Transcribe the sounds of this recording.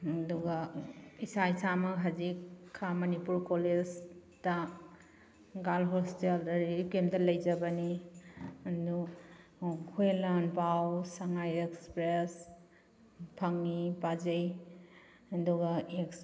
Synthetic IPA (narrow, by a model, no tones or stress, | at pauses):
ɐduɡaisaisamɐɦɐzikʰːamɐnipuɾkoled͡ʒta | ɡalɦosteldɐɾikemtɐlɐjd͡ʒɐbɐni | ɐdu | kʰuelanpawsaŋajekspɾes | pʰɐŋːipad͡ʒej | ɐduɡaeks